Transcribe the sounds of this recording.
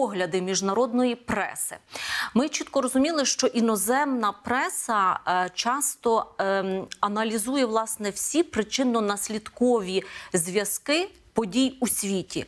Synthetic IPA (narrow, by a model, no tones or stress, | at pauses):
ɔɦlʲɐd̪ɪmʲiʒnɐɾɔd̪nɔjipɾɛ̰sɪ̰mɪt͡ʃit̪kɔɾɔzʊmʲilˠɪʃt͡ʃɔʔinɔzɛmnɐpɾɛsɐt͡ʃɑst̪ɔ | ɐnɐlʲizujɛʋlˠɑsnɛwsʲipɾɪt͡ʃɪnɔnɐsʲlʲid̪kɔʋʲizʲʋʲjɐskɪ | pɔdʲijusʲʋʲitʲḭ